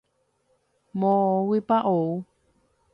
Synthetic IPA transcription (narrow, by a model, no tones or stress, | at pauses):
mõwipaʔou